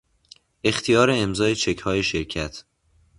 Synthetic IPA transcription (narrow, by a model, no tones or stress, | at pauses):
ʔe̞xt̪ʰijɒːɾe̞ːmzɒːe̞t͡ʃʰe̞cʰhɒːje̞ʃe̞ɾcʰæt̪ʰ